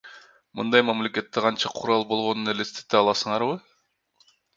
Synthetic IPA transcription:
mɯnd̪ɑjmamlʲe̞kʲe̞t̪ːeqʰɑnt͡ʃɑqʰuɾɑlˠbo̞lˠʁo̞nune̞lest̪e̥t̪ːeɑlˠɑsɯɴɑɾβɯ

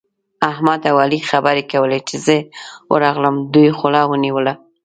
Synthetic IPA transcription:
ahmad̪awɑlixabəɾekawəlet͡ʃezəwʔə̰ɾɑɣləmd̪ujxʊlɑwəniwəla

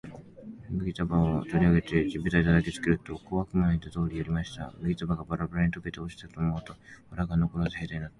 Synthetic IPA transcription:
mɯ̟ɡʲit̪abaot̪oɾʲiaɡe̞t̪e̞d͡ʑibɯt̪ait̪ad̪akʲet͡sɨ̥kʲiɾɯ̟t̪o̞koβakɯ̟manit̪at̪o̞ːɾʲijoɾʲimaɕi̥t̪a̰mɯ̟ɡʲit̪abaɡabaɾabaɾaɲit̪o̞ke̞t̪e̞oɕi̥t̪at̪oːmo̞ɯt̪o̞aɾaɡanokoɾod̪ehed̪einat̪ː

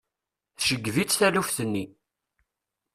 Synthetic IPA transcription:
θʃəɡːvit͡sːθælufθənːi

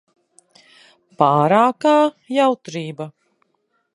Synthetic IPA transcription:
paːɾaːkaː | jawt̪ɾiːba

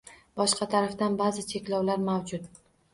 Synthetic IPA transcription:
b̥ɒʃqɑt̪ʰaɾaft̪anbazɪt͡ʃʰekʲlɒwlaɾmawd͡ʒʊt̪̚

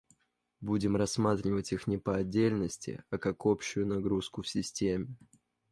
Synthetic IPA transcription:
budʲɪmrɐsːmat̪ɾʲɪvətʲixnʲɪpəɐdʲːelʲnəsʲtʲɪ̰ɐkakopɕʊjʊnɐɡɾuskʊfsʲɪsʲtʲemʲɪ

